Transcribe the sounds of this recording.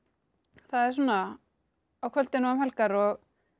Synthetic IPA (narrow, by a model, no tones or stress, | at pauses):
θaðɛɾ̥s̬uːnːa | awkʰvœl̥t̪ɪnaamhɛlkaɾɔɣ